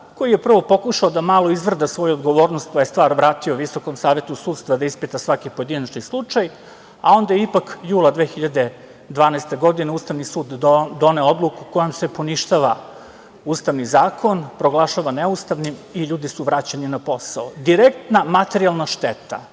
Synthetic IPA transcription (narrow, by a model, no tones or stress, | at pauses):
ko̞jije̞pr̩ʋo̞po̞kuʃaod̪amaːlˠo̞izʋr̩d̪asʋo̞juod̪ɡo̞ʋo̞ːɾnost̪̚pajest̪ʋaːɾʋɾaːt̪ioʋiso̞komsaːʋe̞t̪usuːd̪st̪vad̪aispit̪asʋakipo̞je̞d̪inat͡ʃnislˠut͡ʃaj | ao̞nd̪ajipakjuːlˠad̪ʋexiʎad̪e | d̪ʋaːnast̪e̞ɡo̞d̪ine̞uːst̪aʋnisuːd̪ːo̞neo̞d̪lˠukuko̞jomsepo̞niʃt̪aʋa | uːst̪aʋnizaːkʰo̞npɾoɡlˠaʃaʋaneust̪aʋnimiʎuːd̪isuʋɾat͡ɕeninapo̞saod̪iɾek̚t̪namat̪eɾialˠnaʃt̪et̪a̰